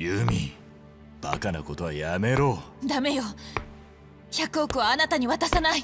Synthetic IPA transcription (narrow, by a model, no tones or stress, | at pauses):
jɯmʲḭ | b̥a̰kanako̞t̪o̞βajame̞ɾo̞ːd̪ame̞jo̞ | çakɯ̟o̞kɯ̟βaːnat̪aɲ̟iβat̪asanai